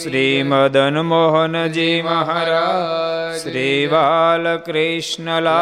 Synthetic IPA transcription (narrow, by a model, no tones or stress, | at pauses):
ʃɾiːmɐd̪ɐnmoɦɔnd͡ʒimɐɦaɾaːʃɾiːʋaːlɐkɾiʃnəla